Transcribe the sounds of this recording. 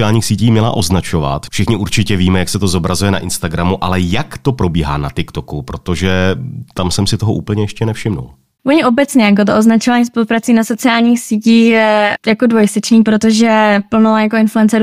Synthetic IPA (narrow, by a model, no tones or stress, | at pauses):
ɪaːlɲiːxsiːciːmɲɛla̰ʔo̞znat͡ʃo̞va̰t̪fʃɪxɲɪʔuɾt͡ʃɪcɛviːmɛjaksɛt̪o̞zo̞bɾazujɛna̰ʔɪnst̪aɡɾamuʔalɛjakt̪o̞pɾo̞biːɦa̰ːnat̪ɪkt̪okupɾo̞t̪o̞ʒɛt̪amsɛmsɪt̪o̞ɦoʔṵːpl̩ɲɛjɛʃcɛnɛfʃɪmnṵl | voɲɪʔobɛt͡sɲɛjak̬ot̪̬oʔoznat͡ʃovaːɲiːspo̞lupɾat͡siːnaso̞t͡sɪaːlɲiːxsiːciːxjɛjakodvojɪsɛt͡ʃniːpɾot̪oʒɛpl̩nojakoɪnfluɛnt͡sɛ